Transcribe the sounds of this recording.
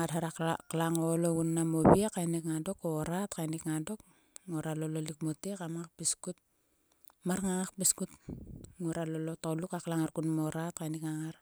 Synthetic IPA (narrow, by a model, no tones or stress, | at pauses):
ŋadhaɾaklaŋolounːamoβiakːajnikŋado̞koɾatkajnikŋado̞k̚ | ŋuɾalolo̞lik̚motekamaŋak̚piskut̚ | maɾŋaŋak̚piskutŋuɾalolotolukaklaŋaɾkunmoɾat̚kajnikŋaŋaɾ